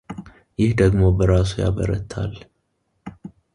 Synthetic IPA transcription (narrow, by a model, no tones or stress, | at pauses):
jɪhd̪əɡmo̞bəɾas̬uja̰βəɾə̰t̪ʰːa̰l